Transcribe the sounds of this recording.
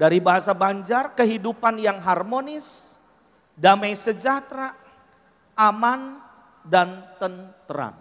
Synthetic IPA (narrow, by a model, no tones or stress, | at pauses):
daɾibaɦasabaɲd͡ʒarkəɦidupanjaŋɦarmonɪs | damajsəd͡ʒat̪ɾa | ʔaman | dant̪ənt̪əɾa̰n